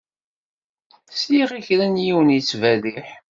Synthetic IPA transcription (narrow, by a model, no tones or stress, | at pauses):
sjiʁiçɾænjiwənjit͡sːvæðiħ